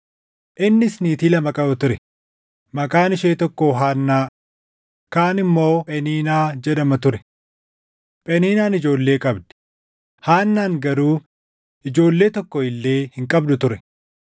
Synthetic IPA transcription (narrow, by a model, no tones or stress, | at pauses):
ʔɪnːɪsniːt̪iːlɐmɐkʼɐbɐt̪ʊɾɛ | mɐkaːnɪʃeːt̪ɔkːoːɦaːnːaː | kaːnɪmːo̞ːpʼɛniːnaːd͡ʒɛd̪ɐmɐt̪ʊɾɛ̥ | pʼɛniːnaːnɪd͡ʒo̞ːlːe̞ːkʼɐbd̪ɛ̥ | haːnːaːŋɡɐɾuː | ɪd͡ʒo̞ːlːe̞ːt̪ɔkːɔɪlːe̞ːhɪŋkʼɐbd̪ʊt̪ʊɾɛ